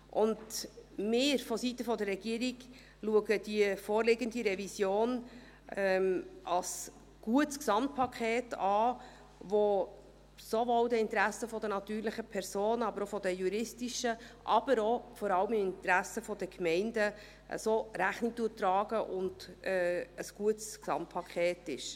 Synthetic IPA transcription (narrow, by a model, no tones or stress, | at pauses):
ʔʊndmɪːɾfɔsitəfɔdəɾːɛɡ̥iːəɾiɡ | luəɡəd̥iəfoːɾlɪɡəndiɾɛvisjoːn | ɛʔɑs | ɡ̥uətsksɑmt̚pʰɑkʰeːtɑː | ʋo | sovɔwdəɪntɾæsəfɔdənɑt̪yːɾlɪχəpʰɛɾsoːnɑbəɾɔfɔdəjuɾɪstiʃəʔɑb̥əɾofɔɾɑləmɪmɪnt̪ɾæsəfɔdəkmɛɪndə | ʔə̰soːɾæχnik̚tuːtɾɑːɡ̥əʔʊnd̥ɛəsɡ̥uətsksɑ̰mt̚pʰɑkχɛːtɪʃ